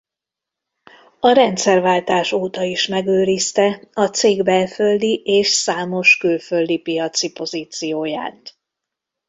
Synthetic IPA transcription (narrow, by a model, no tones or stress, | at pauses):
ɒɾɛnt̪sɛrvaːlt̪aːʃoːt̪ɒiʃmɛɡøːɾist̪ɛɒt̪seːɡbɛlfø̞ld̪iʔeːʃsaːmo̞ʃkylfø̞ld̪ipijɒt̪sipo̞ziːt̪sijoːja̰ːt̪